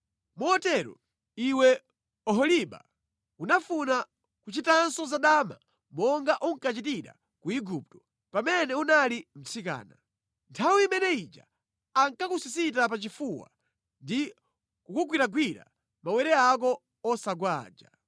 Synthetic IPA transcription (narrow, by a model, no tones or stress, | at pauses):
muɔtɛɾɔ̰ | iwɛ | ɔɦɔliɓa̰ | unafuna | kut͡ʃitansɔzaɗaːma̰ | mɔŋɡaʔuŋkat͡ʃitiɾa̰ | kuiɡup̚tɔ̥ | pamɛnɛunalim̩t͡sʰika̰ːna | ntʰawiimɛnɛid͡ʒa̰ | aŋkakusisit̬ap̬at͡ʃifuwa̰ | ndi | kukuɡwiɾaɡwiɾa̰ | mawɛɾɛak̬ɔː | saɡwaːd͡ʒa